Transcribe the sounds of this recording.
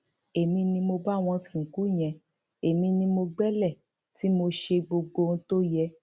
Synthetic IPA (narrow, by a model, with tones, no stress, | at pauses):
e˨mĩ˧nĩ˧mo˧ba˦˨w̃ɔ̃˧sĩ˨ku˨˦˨j̃ɛ̃˨ | e˨mĩ˧nĩ˧mo˧ɡ͡bɛ˦lɛ˦˨ | ti˨˦mo˧ʃe˧ɡ͡bo˧ɡ͡bo˧n̩˦to˦jɛ˧